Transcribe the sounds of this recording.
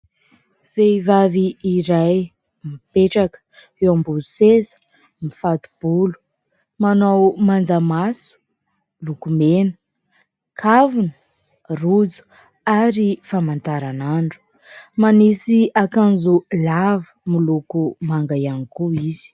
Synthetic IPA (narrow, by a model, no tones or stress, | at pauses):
veivaviːɾaj | mipeʈ͡ʂakə̥ | ewambusezə̥ | mifat̪u̥b̥ulu̥ | manawmand͡zamasu̥ | lukumenə̥ | kʰavunə̥ | rud͡zu̥ | aɾifamant̪aɾanaɳɖ͡ʐu̥ | manisiakand͡zulavə̥milukumaŋɡajanikuiz̥i̥